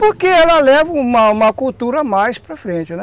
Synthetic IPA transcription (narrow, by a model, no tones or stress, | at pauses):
poɾkeɛlɐlɛvɐũmɐũmɐkult̪uɾɐmajspɾɐfɾẽnt͡ʃɪnɛ